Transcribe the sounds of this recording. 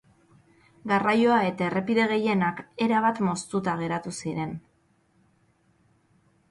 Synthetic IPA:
ɡarajo̞ae̞t̪aere̞piðe̞ɣ̞e̞je̞nake̞ɾaβ̞at̪mo̞st̪ut̪aɣ̞e̞ɾat̪usiɾe̞n

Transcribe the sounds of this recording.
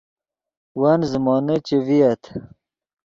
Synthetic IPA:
wanzəmɑːnət͡ɕeviɐt̪ʰ

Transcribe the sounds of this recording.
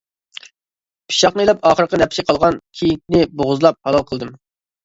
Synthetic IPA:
pʰi̥ʃɑqnɨilˠɛpɑːχəɾəqənɛpsɪqʰɑlˠʁɑnkʲʰijik̚ʲnɪboʁʊzlˠɑp̚hɑlˠɑlˠqʰəlˠd̪ɨm

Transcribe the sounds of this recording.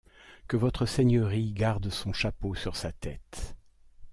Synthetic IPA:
kəvɔt̪χəseɲəʁiɡaʁd̪sɔ̃ʃaposyʁsat̪ɛt̪

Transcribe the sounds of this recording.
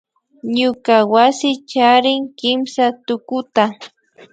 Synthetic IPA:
ɲʊkawasɪt͡ʃaɾɪŋkɪmsat̪ʊkʊt̪a

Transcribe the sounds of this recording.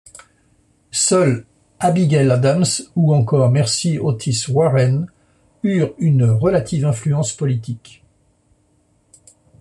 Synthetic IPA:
sœl | abiɡɛlad̪amsuɑ̃kɔʁmɛʁsiot̪ʰiswaʁɛn | yʁynʁəlat̪ʰivɛ̃flyɑ̃spɔlit̪ik

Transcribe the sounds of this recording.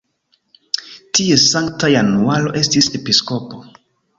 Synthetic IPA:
tie̞saŋktajanualo̞̰ʔe̞stise̞pisko̞po̞

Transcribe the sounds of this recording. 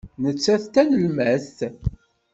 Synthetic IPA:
nət͡sːæθt̪ænəlmæθ

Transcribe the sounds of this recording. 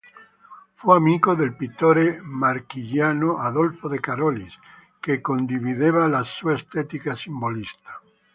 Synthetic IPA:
feamiɣoðelpit̪oɾemaɾkiʎanoʔaðolfoðekaɾolis | kekond̪iβiðeβalasuaest̪et̪ikasimbolist̪ḁ

